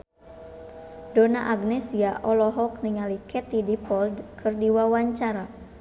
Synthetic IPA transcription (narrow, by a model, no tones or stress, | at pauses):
dona̰ʔaɡnɛsiaʔɔlɔɦɔk̚niŋalikʰɛt̪idipɔld̪kʰɨrdiwawaɲt͡ʃaɾa